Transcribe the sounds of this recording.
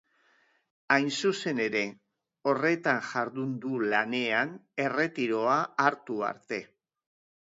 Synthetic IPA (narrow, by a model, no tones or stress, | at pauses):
ajnsuse̞ne̞ɾe̞ | o̞re̞t̪aŋʝaɾðund̪ulane̞ane̞re̞t̪iɾo̞aːɾt̪ua̰ɾt̪e̞